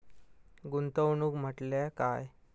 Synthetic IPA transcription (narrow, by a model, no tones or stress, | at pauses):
ɡunt̪əwɳuːkm̤əʈlakaj